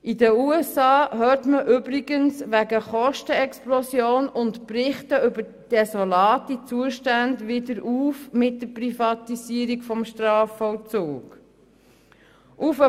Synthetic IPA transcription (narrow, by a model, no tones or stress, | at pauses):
ʔidəuɛsɑːhøːtməʔʏbɾiɡənsʋæɡəχɔʃtəɛksplɔsjoːnʊntprɪχtəʏbəɾ | d̥ɛsɔlɑːtit͡suəʃtandʋɪdəɾuːfmɪt̚d̥əprifɑtisiəɾikfɔmʃtrɑːfɔlt͡suːk | ʔufə